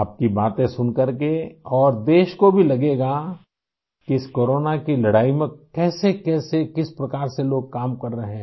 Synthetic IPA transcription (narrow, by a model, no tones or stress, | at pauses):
aːp̚kibaːt̪ẽsʊnkɐɾk̬eɔːɾd̪eːʃkobʱilɐɡeːɡa | kiɪskoːɾoːnakilɐɽaːimẽkɛːsekɛːsekɪspɾɐkaːɾseloːɡ̚kaːmkɐɾːɐɦẽɦ